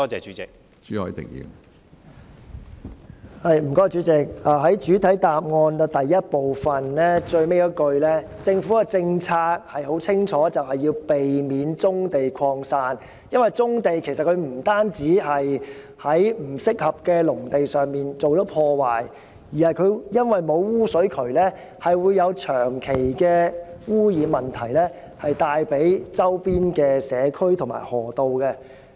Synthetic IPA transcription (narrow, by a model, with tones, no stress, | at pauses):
t̪ɔː˥t͡sɛ̰ː˨t͡ʃy˨˦˥t͡sɪ˨k̚ | t͡ʃyː˨˥hɔ̰˧˥i˨t̪ɪ̰˨k̚jḭː˨˧ | hɐ˨˧jm̩˨˩k̪ɔː˥t͡ʃy˨˥t͡sɪ˨k̚aː˨ɦɐ˨˥jt͡ʃyː˨˥t̪ʰɐ˨˥jt̪aː˨p̚ŋɔː˧nɐ˧t̪ɐ˨jːɐ˥t̚po˨wfɐ˨˩nlɛː˥t͡ʃɵ˧ɥme˥jɔ˥kɵ˧ɥlɛː˥ | t͡sɪ˧ŋfuː˨˥kɐ˧t͡sɪ˧ŋt͡sʰaː˧k̚hɐ˨jɦo˨˥wt͡sʰɪ˥ŋt͡ʃʰɔː˨˥t͡sɐ˨whɐ˨jːiː˧wpe˨jmiː˨˥nt͡sʊ˥ŋt̪e˨jkʰɔː˧ŋsaː˧n | jɐ˥nwɐ˨jt͡sʊ˥ŋt̪e˨jkʰsɐ˨t̚kʰɵ˨˧ɥm̩˨˩t̪aː˥nt͡siː˨˥hɐ˨j | hɐ˨˥jm̩˨˩sɪ˥k̚hɐ˨p̚kɛː˧lʊ˨˩ŋt̪e˨jsœː˨˩ŋmiː˨nt͡so˨wtɔ˨˥pʰɔː˧waː˨˩j | jiː˨˩hɐ˨jkʰɵ˨˧ɥjɐ˥nwɐ˨jmo˨˧wwuː˥sɵ˨˥ɥkʰɵ˨˩ɥlɛː˥ | hɐ˨jwuː˨˧jɐ˨˧wt͡ʃʰœː˨˩ŋkʰe˨˩jkɛː˧wuː˥jiː˨˧mɐ˨nt̪ʰɐ˨˩jlɛː˥ | hɐ˨jt̪aː˨jpe˨˥jt͡sɐ˥wpiː˥nkɛː˧sɛː˨˧kʰɵ˥ɥt̪ʰʊ˨˩ŋma̰ː˨˩jhɔː˨˩t̪o˨wkɛ˧